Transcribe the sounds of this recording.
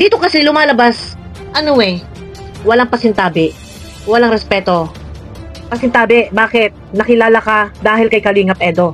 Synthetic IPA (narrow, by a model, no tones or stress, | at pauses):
d̪iːt̪o̞kɐsɛlʊmaːlɐbas | ʔɐnoɛ | wɐlaŋpɐsɪnt̪aːbɛ | wɐlaŋɾɛspɛːt̪o̞ | pɐsɪnt̪aːbɛbaːkɪt̪̚nɐkɪlaːlɐkad̪aːhɪlkɐjkɐliːŋɐp̚ʔɛːd̪o̞